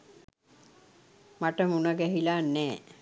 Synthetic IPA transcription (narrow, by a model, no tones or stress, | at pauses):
maʈəmunəɡɛɦilaːnːɛː